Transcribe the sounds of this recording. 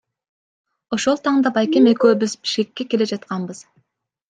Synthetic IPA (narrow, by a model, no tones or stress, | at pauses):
o̞ʃo̞lˠt̪ʰɑɴd̪ɑbɑjkʲemekʲøːbɪzbi̥ʃkʲekʲːe̞kʲe̞led͡ʒɑt̪̚qɑnbɯz̥